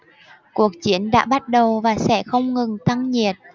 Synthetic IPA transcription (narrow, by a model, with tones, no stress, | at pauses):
ku˨˩ək̚t͡ɕi˧˦ənɗa̰ː˧˥ɓa˦˥t̚ɗə˨˩wvaː˨˩sɛ̰˧˥xə˧wŋ͡mŋɨ˨˩ŋt̪a˧ŋɲi˨˩ət̚